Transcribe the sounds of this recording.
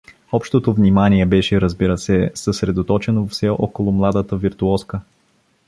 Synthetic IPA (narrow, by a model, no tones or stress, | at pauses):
ɔpʃt̪ot̪ovnimaniɛbɛʃɛɾəzbiɾəsɛsəsɾɛd̪ot̪ɔt͡ʃɛnofsɛʔɔkolˠomlˠad̪ət̪əviɾt̪uɔskə